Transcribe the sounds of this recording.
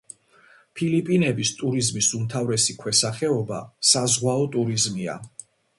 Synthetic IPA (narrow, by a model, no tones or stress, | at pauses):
pʰilipʼinɛbist̪ʼuɾizmisumt̪ʰavɾɛsikʰwɛsaχɛɔba̰sazʁwaɔt̪ʼuɾizmia̰